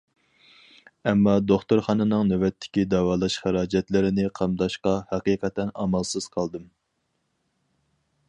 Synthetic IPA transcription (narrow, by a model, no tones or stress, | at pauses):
ɛmːɑd̪oχt̪ʊɾχɑːnɨnɨŋnøwɛt̪ʰːɪ̥kʲid̪ɑwɑːlˠɑʃχæɾɑːd͡ʒɛt̪lɪɾɪnɪqʰɑmd̪ɑʃqɑhæqiːqɛt̪ɛnɑ̰mɑlˠsɨz̥qʰɑlˠd̪ɨm